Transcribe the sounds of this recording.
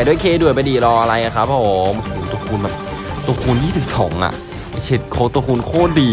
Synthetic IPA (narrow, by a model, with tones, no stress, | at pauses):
jdu˥˩˨jkʰeː˧du˨˩əjpa˧jdiː˨˩lɔː˧ʔa˧ɾa˧jna˧kʰa˦˥pʰːoː˨˦˩m˧huː˨˩˦t̪o˧kʰuː˧nbɛː˨˩p̚ | t̪o˧kʰuː˧njiː˥˩i˨˩p̚sɔ̰ː˩˦ŋʔa̰˨˩ʔ | t͡ɕʰe˦˥t̪̚kʰoː˧˦t̪o˧kuː˧nkʰoː˥˩diː˧